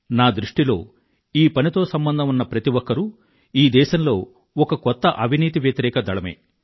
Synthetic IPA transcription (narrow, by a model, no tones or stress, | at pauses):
naːd̪ɾuʂʈilo̞̰ː | iːpɐnit̪o̞ːsɐmbɐnd̪ʱɐmunːɐpɾɐt̪iwɔkːɐɾu | iːd̪ɛːʃɐmlo̞ː | ɔkɐkɔt̪ːɐʔɐbʱiniːt̪̬iʋjɐt̪ɐɾɛːkɐd̪ɐɭɐmḛː